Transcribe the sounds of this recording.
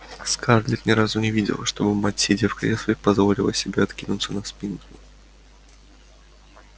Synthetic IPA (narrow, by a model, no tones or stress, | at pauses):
skarlʲɪt̪nʲɪɾazʊnʲɪvʲidʲɪ̰lˠəʂt̪o̞bɨmatʲsʲɪdʲefkɾʲesvʲɪpɐzvo̞lʲɪlˠə̰sʲɪbʲeɐt̪kʲinʊt̪sənɐspʲinklʊ